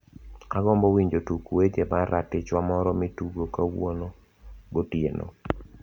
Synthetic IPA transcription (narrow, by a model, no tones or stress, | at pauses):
aɡɔmbɔwiɲd͡ʒotukuwed͡ʒebaɾatɪt͡ʃwamɔɾɔmituɡokawono | ɡotjeno̰